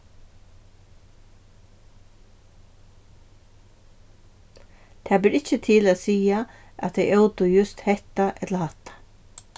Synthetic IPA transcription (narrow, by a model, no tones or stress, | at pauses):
t̪ʰaːbɪːɾɪt͡ʃːət̪ʰɪlaːt̪siːaa̰t̪ʰːejʔowt̪ʊjʏst̪hɛht̪aʔɛt̪lahaht̪ḁ